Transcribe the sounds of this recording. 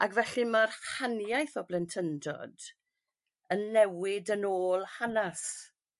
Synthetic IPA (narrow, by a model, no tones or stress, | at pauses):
aɡvɛɬimarhanjajθɔblɛntʰəndɔ̰d | ənːɛwɪdənoːlˠhanas